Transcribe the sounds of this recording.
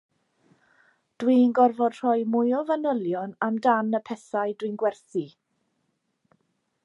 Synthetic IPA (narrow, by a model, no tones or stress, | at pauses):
d̥wiːnɡɔrvɔd̥r̥ɔjmʊjɔvənəlˠjɔnamdanəpʰɛθaɨdwinɡwɛrθi